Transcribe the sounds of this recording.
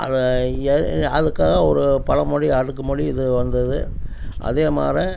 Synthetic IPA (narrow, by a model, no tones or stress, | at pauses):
ʔɐ̰ðɛɐðɯkːaːɣɐɔɾɯpɐɭɐmoɽiaːɽɯk̬ːɯmoːɽiɪðɯʋɐnd̪ɐðɯʔɐ̰ðeːma̰ːɾi